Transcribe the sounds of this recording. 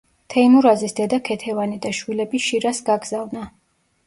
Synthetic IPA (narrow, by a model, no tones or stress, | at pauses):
t̪ʰɛimuɾazisd̪ɛd̪akʰɛt̪ʰɛvanid̪aʃwilɛbiʃiɾasɡaɡzavna